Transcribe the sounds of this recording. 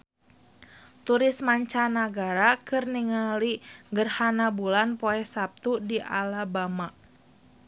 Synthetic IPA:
t̪uɾɪsmaɲt͡ʃanaɡaɾakɨrniŋaliŋɡərhanabulanpoɛhsap̚t̪udiʔa̰labamaʔ

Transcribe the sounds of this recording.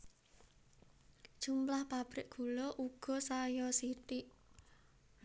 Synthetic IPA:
d̥ʒ̥umplahpab̥ɾɪʔɡ̥ṳlɔʔuɡ̥ɔ̤sajɔsit̪ɪʔ

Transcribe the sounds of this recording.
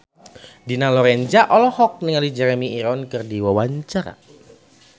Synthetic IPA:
dinalɔɾɛnd͡ʒaʔɔlɔhɔk̚niŋalid͡ʒɛɾɛmiiɾɔnkɨrdiwawaɲt͡ʃaɾa̰

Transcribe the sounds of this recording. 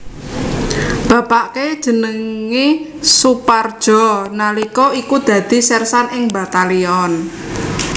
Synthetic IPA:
b̥a̤paʔked̥ʒ̥ə̤nəŋi | supard̥ʒ̥ɔ̤nalikɔikud̪̥ä̤d̪̥i̤sɛrsanɪŋba̤t̪aliɔn

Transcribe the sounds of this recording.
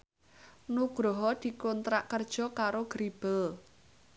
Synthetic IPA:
nuɡ̥ɾɔɦɔd̪̥i̤kont̪ɾaʔkərd̥ʒ̥ɔ̤kaɾoɡ̥ɾib̥əl

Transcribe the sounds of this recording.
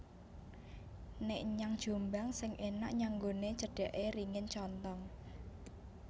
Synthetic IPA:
neʔɲaŋd̥ʒ̥o̤mbaŋsɪŋʔena̰ʔɲaŋɡonet͡ʃəɖ̥ɛ̤ʔeriŋɪnt͡ʃɔnt̪ɔŋ

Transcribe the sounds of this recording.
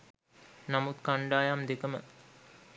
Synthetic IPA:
namut̪kaɳɖaːjamd̪ekəmə̰

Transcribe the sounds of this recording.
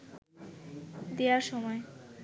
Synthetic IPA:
d̪eaɾʃɔmɔe

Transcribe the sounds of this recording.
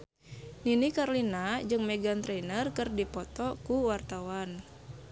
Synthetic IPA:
ninikarlinad͡ʒɨŋmɛɡant̪ɾɛnərkɨrdipɔt̪ɔkuwart̪awan

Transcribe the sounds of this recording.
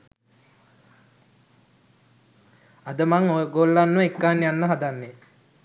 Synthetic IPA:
ad̪əmaŋoɡolːanːekːaːnjanːəɦad̪anːe

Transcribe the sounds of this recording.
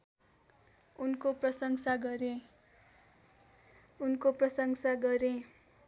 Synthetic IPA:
unkoprʌsʌŋsaɡʌɾe | unkoprʌsʌŋsaɡʌɾẽ

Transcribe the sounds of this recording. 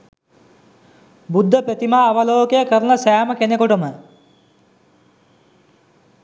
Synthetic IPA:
bud̪ʱːəpet̪imaːʋəloːkejəkəɾənɐsæːməkenekoʈəmə

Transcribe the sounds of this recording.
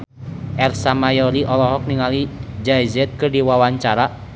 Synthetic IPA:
ʔɛrsamajɔɾiʔɔlɔɦɔk̚niŋalid͡ʒaizɛt̪̚kɨrdiwawaɲt͡ʃaɾa

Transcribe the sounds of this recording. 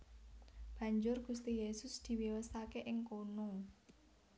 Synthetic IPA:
b̥ä̤ɲd͡ʒʊrɡ̥ṳst̪ijesʊsd̪̥i̤wiwəsakeʔɪŋkono

